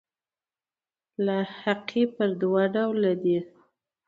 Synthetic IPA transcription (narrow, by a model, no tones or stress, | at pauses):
lahaqʰipəɾd̪wɑɖawlad̪i